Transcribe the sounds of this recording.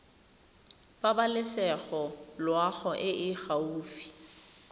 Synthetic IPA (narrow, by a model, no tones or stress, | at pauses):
babalɪsɛɣɔlwaɣɔʔɪʔɪɣauːfi̥